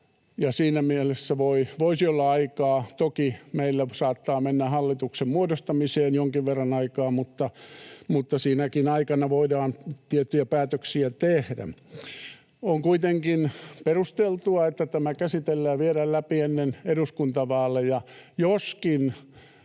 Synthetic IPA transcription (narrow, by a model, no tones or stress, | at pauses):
jɑsiːnæmielesːæʋoiʋoisiolːɑɑikɑːt̪okimeilːæsɑːt̪ːɑːmenːæhɑlːit̪uksemmuodost̪ɑmiseːnjoŋkiʋʋerːɑnɑikɑːmmut̪ːɑmut̪ːɑsiːnækinɑikɑnɑʋoidɑːnt̪iet̪ːyjæpæːt̪øksiæt̪ehdæ̰ | oŋkuit̪eŋkinperust̪elt̪uɑet̪ːæt̪æmækæsit̪elːæːʋieɾællæpienːeneɾuskunt̪ɑʋɑːlːejɑjoskin